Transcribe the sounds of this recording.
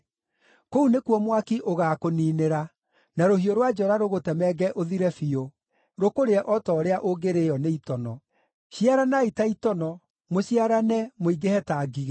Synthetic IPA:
kounekuɔmwakiʔoɣaːkoniːneɾa | naɾohioɾwad͡ʒɔɾaɾoɣotɛmɛɡɛʔoðiɾɛfio | ɾokoɾeɛʔɔtɔːɾeaʔoɡeɾejɔneitɔnɔ | ɕiaɾanaitaitɔnɔ | moɕiaɾanɛmoiɡehɛtaːɡiɣ

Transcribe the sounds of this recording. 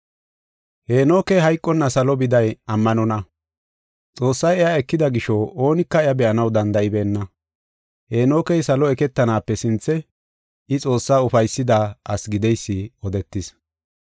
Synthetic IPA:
heːno̞ːkɛjɦɐjkʼːɔnːɐsɐlɔbɪd̪ɐjɐmːɐnɔnɐ | t͡sʼo̞ːsːɐjɛjaɛkːɪd̪ɐɡɪʃoo̞ːnɪkːɐɛɐbɛʔɐnɐwd̪ɐnd̪ɐɪbe̞ːnːɐ | he̞ːno̞ːkɛjsɐlɔɛkɛt̪ːɐnaːpːɛsɪnt͡sːɛ | ɪt͡sʼo̞ːsːaːʊfɐjsːɪd̪aɐsɡɪd̪ɛjsːɪɔd̪ɛt̪ːɪs

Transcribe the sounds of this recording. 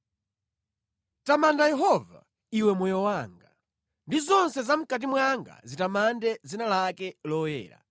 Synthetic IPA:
tamandajɛɦɔva̰ | iwɛmwɔjɔwaːŋɡa | ndizɔnsɛzam̩kat̬imwaŋɡa̰zitamandɛd͡zinalakɛlɔjɛ̰ːɾa̰

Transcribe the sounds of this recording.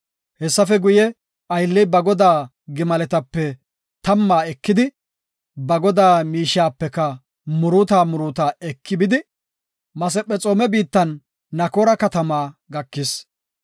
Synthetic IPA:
hɛsːɐfɛɡʊjɛ | ɐjlːɛbɐɡɔd̪aː | ɡɪmɐlɛt̪ɐpːɛ | t̪ɐmːaːɛkːɪd̪ɪ | bɐɡɔd̪aːmiːʃaːpːɛkɐ | mʊɾuːt̪aːmʊɾuːt̪aːɛkːɪbɪd̪ɪ | mɐs̬ɛpʼːɛt͡sʼoːmɛbiːt̪ːɐnː | ɐkoːɾɐkɐt̪ɐmaːɡɐkːɪs

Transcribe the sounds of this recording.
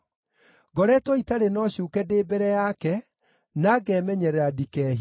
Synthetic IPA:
ɡɔɾɛtwɔitaɾenɔɕuːkɛdeːbɛɾɛjakɛ | naɡɛmɛɲɛɾɛadikɛːɦi

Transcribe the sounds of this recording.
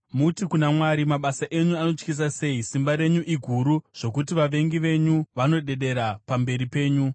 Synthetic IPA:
mutikunamwaɾimaɓasaʔe̞ɲuano̞t͡ʃkis̬ase̞isimbaɾe̞ɲuʔiɡʱuɾuʐ̥o̞kutiʋaʋe̞ŋɡiʋe̞ɲuʋano̞ɗe̞ɗe̞ɾapambe̞ɾipe̞ːɲu

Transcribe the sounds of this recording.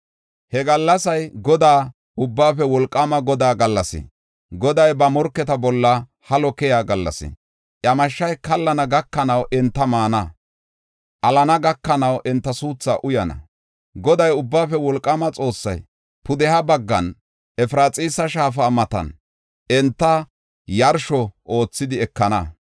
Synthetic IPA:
hɛɡɐlːɐsɐjɡɔd̪aː | ʊbːaːfɛwɔlkʼːɐmɐɡɔd̪aːɡɐlːɐsɪ̰ | ɡɔd̪ɐjbɐmɔɾkːɛt̪ɐbɔlːɐ | hɐlɔkɛjaːɡɐlːɐ̰sɪ̰ | ʔɐmɐʃːɐjkɐlːɐnɐɡɐkːɐnɐwʔɛnt̪ːɐmaːnɐ | ʔɐlɐnɐɡɐkːɐnɐwʔɛnt̪ːɐsuːt͡sːa̰ʔʊjɐnɐ̰ | ɡɔd̪ɐjʊbːaːfɛwɔlkʼːɐmɐt͡sʼo̞ːsːɐ̰j | pʊd̪ɛhɐbɐɡːɐ̰n | ɛfɾaːt͡sʼiːsɐʃaːfaːmɐt̪ɐ̰n | ɛnt̪ːɐ | jɐɾʃɔʔo̞ːt͡sːɪd̪ɪɛkːɐnɐ

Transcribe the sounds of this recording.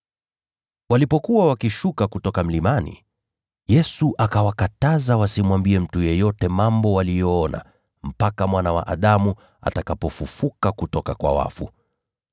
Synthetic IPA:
walipɔkuwawakiʃukakutɔkam̩limanḭ | jɛsuʔakawakatazawasimwambiɛm̩tujɛjɔtɛmambɔwalijɔɔna̰ | m̩pakamwanawa̰ʔaɗamu | a̰takapɔfufukakutɔkakwa̰wa̰fṵ

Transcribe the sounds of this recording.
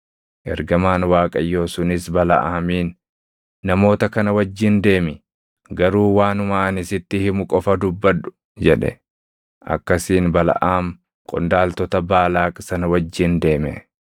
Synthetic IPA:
ʔɛ̰ɾɡɐmaːnwaːkʼɐjːo̞ːsʊnɪsbɐlɐ̰ʔaːmiːnː | ɐmo̞ːt̪ɐkɐnɐwɐd͡ʒːɪnd̪e̞ːmɪ | ɡɐɾuːwaːnʊmaːɐnɪsɪt̪ːɪhɪmʊkʼɔfɐd̪ʊbːɐᶑʊ̥ | d͡ʒɛᶑɛ̰ | ʔɐ̰kːɐsiːnbɐlɐ̰ʔaːm | kʼɔ̰nd̪aːlt̪ɔt̪ɐbaːlaːkʼsɐnɐwɐd͡ʒːɪnd̪e̞ːmɛ̰

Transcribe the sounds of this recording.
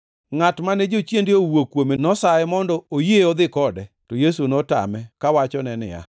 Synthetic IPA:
ŋatmanɛd͡ʒot͡ʃjendɪowokːwomenɔsaɛmɔndɔojeɔd̪ɪkɔdɛ | tɔjesunɔta̰mɛkawat͡ʃɔnɛnɪ̰a̰

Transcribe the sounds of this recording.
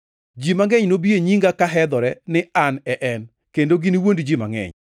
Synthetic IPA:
d͡ʒimaŋɛɲnobieɲiŋɡakaɦɛd̪ɔɾɛnɪanɛʔɛn | kendoɡɪniwondd͡ʒima̰ŋɛ̰ɲ

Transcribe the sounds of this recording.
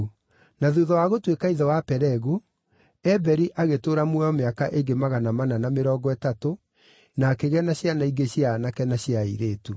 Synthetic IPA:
naðuðɔwaɣotwekaiðɔwapɛɾɛɣu | ɛbɛɾiʔaɣetoːɾamwɛɔmeakaʔeŋɡemaɣanamananameɾɔːɡɔɛtato | nakeɣɛnaɕjanaiɡeɕjaːnakɛnaɕjaḭɾeːtu

